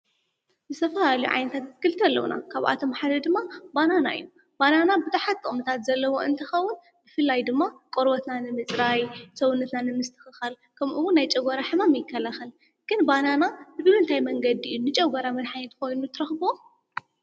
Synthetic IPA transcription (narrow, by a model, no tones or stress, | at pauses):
zɨt̪ʰɐfɐlaliṵʕa̰jnɐt̪ʰat̪ɨɨkɨlɨt̪ʰɐlːɐ̰wṵnʔa̰kʰaβʔa̰t̪ʰo̞mħad̪ɐd̪ɨmːabanana̰ʔɨ̰jːu | bananabɨt̪ʰɐħat̪ʼːomɨt̪ʰat̪zɐlːɐwo̞ʔɨ̰nt̪ʰɨxɐwːʊn | bɨfɨlːajd̪ɨmːakʼoɾbɐt̪nanɨmɨt͡sʼɾajsɐwunːɐt̪nanɨmɨst̪ʰɨ̥xɨxal | kʰɐmʔuwunːajt͡ʃʼɐɡɐɾaħɨmamjɪkʰːɐlaxɐl | ɡ̥ɨnbananaɨbɨβɨnt̪ʰajmɐŋɡɐd̪iʔɨjːunɨt͡ʃʼɐɡɐɾamɐd̪ħaɲɛt̪ʰɨko̞jnut̪ʰɨɾɐxbo